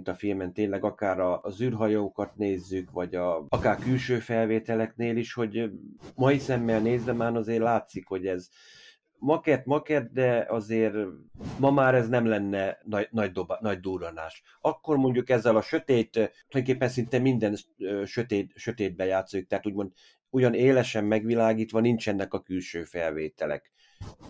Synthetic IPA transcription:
nt̪ɒfilmɛnt̪eːnlɛɡɒkaːɾɒzyːrɦɒjoːkɒt̪neːzːykʋɒɟɒɒkaːrkylʃøːfɛlveːt̪ɛlɛkneːliʃho̞ɟmɒisɛmːɛlneːzd̪ɛmaːnɒzeːrlaːt̪sikho̞ɟɛz | mɒkɛt̪mɒkɛt̪̚d̪ɛɒzeːɾmɒmaːɾɛznɛmlɛnːɛnɒnɒɟd̪obnɒɟd̪uːɾɒna̰ːʃ | ɒkːo̞rmo̞ɲɟukɛzːɛlɒʃø̞t̪eːt̪t̪ojoŋkeːpːɛnsint̪ɛmːind̪ɛnøʃøt̪eːt̪ʃø̞t̪eːd̪̚bɛjaːt̪sojikt̪ɛɦaːt̪uːɟmo̞nd̪ | ujɒneːlɛʃɛmːɛɡʋilaːɡiːt̪ʋɒnint͡ʃɛnːɛkɒkylʃøːfɛlveːt̪ɛlɛ̰k

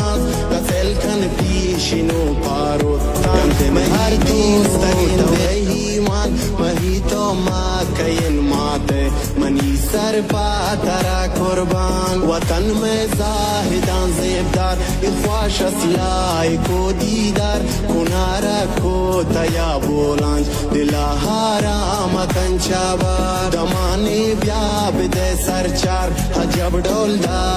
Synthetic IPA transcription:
as | kɐt̪eːlkʰɐnpiː | ʃino | paːɾoː | t̪ːaːnmɐɐɾt̪iːst̪ɐine | ɦi | mãːn | mɐɦit̪o | ma | kɐjenmaːt̪e | mɐniːsɐɾpaː | t̪ɐɾakʊɾbaːnwɐt̪ɐnme | zaː | ɦɪd̪ãːnzeːb̚d̪aːɾ | ɪwaːʃɐslaː | ikoːd̪iːd̪aːɾ | kʊnaːɾa | koː | t̪ɐjaːboːlãːnd͡ʒ | d̪ilaːɦaː | ɾaː | mɐt̪ɐnt͡ʃaːbaː | d̪ɐmaːne | bjaː | bɪd̪ɐːsɐɾt͡ʃaːɾ | hɐd͡ʒɐbɖoːld̪aː

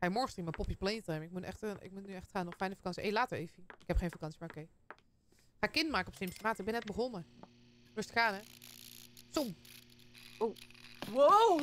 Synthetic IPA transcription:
ajmɔɹxəstrimapɔpjəplejntajmɪk̚mutnʔɛxtəɪ̰k̚mutnyɛxtχaːnɔxfɛjnəfḁkɑnsiʔḛjlaːtəɹeːfiɪkɦɛpχeːnfakɑnsimaːɹokej | χaːkɪntmaːkəɔpsɪmstəmaːtəɪk̚bɛnɛt̚bəχɔnə | rʊstkaːnə | som | owwo

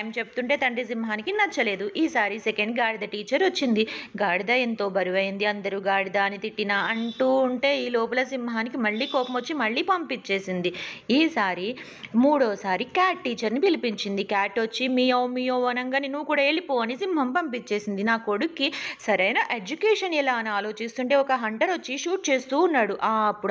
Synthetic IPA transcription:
ɐjmt͡ʃe̞but̪uɳʈe̞ːt̪ɐɳɖis̬imɦaːnikinɐt͡ʃːɐle̞ːd̪uʔiːsaːɾisekeɳɖɡaːɽid̪ɐʈiːt͡ʃɐɾot͡ʃːind̪iɡaːɽid̪ɐjɐnt̪o̞ːbʱɐɾuʋɐjind̪iɐnd̪ɐɾuɡaːɽid̪aːnit̪iʈːinaːɐɳʈuːɳʈe̞ːiːloːp̬ulɐsimɦaːnikimɐɭːiːkɔːpɐmʋot͡ʃːimɐɭːiːpɐmpit͡ʃːe̞ːsind̪iiːsaːɾi | muːɽoːsaːɾikaːʈːiːt͡ʃɐɾnipilipiɲt͡ʃind̪ikaːʈːʋot͡ʃːimiːjɐːmiːjoːʋɐnɐŋɡaninuʋːukuːɽaːe̞ːɭipoːʋɐnisimɦɐmpɐmpit͡ʃːe̞ːsind̪inaːko̞ɽukːisɐɾɐjnɐʔe̞d͡ʒukeːʂɐnilaːnaːlo̞ːt͡ʃist̪uɳʈe̞ːɔkɐɦɐɳʈɐɾʋot͡ʃːiʃuːʈ̚t͡ʃe̞ːst̪uːnːaːɽuʔaːɐpːuɽ

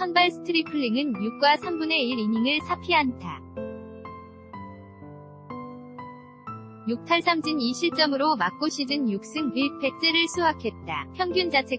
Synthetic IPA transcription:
sʰʌnbaɭsʰɯ̥tʰɯɾipʰɯɭːiŋɯnjuk̚k͈wasʰambune̞iɾiɲiŋɯɭsʰapʰiɦanda | juk̚pʰaɭsʰamd͡ʑiniɕʰiɭt͡ɕ͈ʌmɯɾomak̚k͈oɕʰid͡ʑɯnjuk̚s͈ɯŋiɭpʰe̞k̚t͡ɕ͈eɾɯɭsʰuɦakʰe̞t̚t͈a̰pʰjʌŋɡjund͡ʑat͡ɕʰe̞

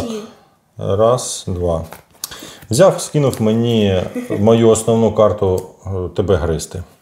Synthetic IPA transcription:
rɑsd̪ʋɑ | wzʲɑwskɪnʊwmenʲimɔjuɔsnɔwnukɑrt̪ʊt̪ɔbɛɦɾɪst̪ɪ

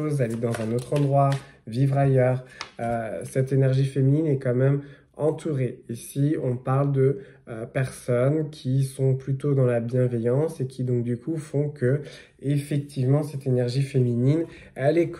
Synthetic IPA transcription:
ozaled̪ɑ̃zɛ̃not̪χɑ̃d̪ʁwavivʁajœʁøsɛt̪enɛʁʒifemininɛkɑ̃mɛm | ɑ̃t̪ʰuʁeesiɔ̃paʁld̪ə | øpɛʁsɔnkʲʰisɔ̃plyt̪od̪ɑ̃labjɛ̃vɛjɑ̃sekʲid̪ɔ̃k̚d̪ykufɔ̃kə | efɛk̚t̪ʰivmɑ̃sɛt̪enɛʁʒifeminin | ɛlɛk

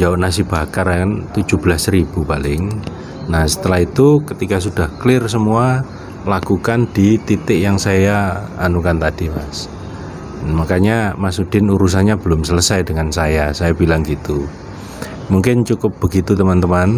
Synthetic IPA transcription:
d͡ʒaʊʔnas̬ib̥akarant̪u̥d͡ʒ̥ub̥əlasɾib̥upalɪŋ | nahsə̥t̪əlaɦit̪ukət̪ikas̬ud̥ahklɪrs̬əmua | lakukandit̪it̪ɪʔjaŋsajaːnukant̪ad̥ipa̰s | makaɲamasud̥ɪnuɾus̬anɲabəlʊmsələsajdəŋansajasajabilaŋɡit̪u | muŋkɪnt͡ʃukʊp̚b̥əɡit̪ut̪əmant̪əman

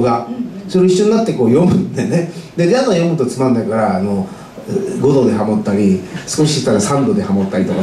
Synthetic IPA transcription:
ɡasoɾeiɕːo̞ɲ̟inat̪ːe̞ko̞ːjo̞mɯ̟̃nd̪ened̪ed̪eanojo̞mɯ̟t̪ot͡sɨmãnd̪akaɾaːno̞ | ɡo̞d̪o̞d̪e̞ɦamo̞t̪ːaɾʲisɨ̥ko̞ɕiɕi̥t̪ːaɾasãnd̪o̞d̪e̞hamo̞t̪ːaɾʲit̪o̞ka

